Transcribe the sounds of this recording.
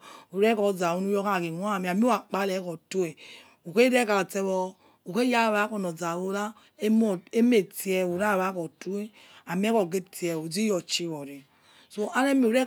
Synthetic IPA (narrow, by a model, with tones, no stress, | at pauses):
u˨ɾɛ˦kɔ˨d͡za˨βu˦nu˦jɔ˦ka˦˨ki˨n˦a˦˨mi˨a˨m˦o˦a˨k͡pa˦lɛ˨˦kɔ˨to˦e˨ | u˨ke˦ɾɛ˦ka˨tɛ˦βɔ˦ | u˨ke˦ja˦˨βa˨˦kɔ˨nɔ˨d͡za˨βo˦ɾa˦ | e˦m˦ɔ˨e˦me˨ti˦ɛ˨u˨ɾa˦˨βa˦kɔ˨tu˦e˦ | a˨m˦ɛ˦kɔ˨ɡe˦ti˨ɛ˨o˨d͡zi˦jɔ˨t͡ʃi˦βɔ˨ɾe˨ | so˦a˦ɾɛ˦mi˨u˨ɾɛ˦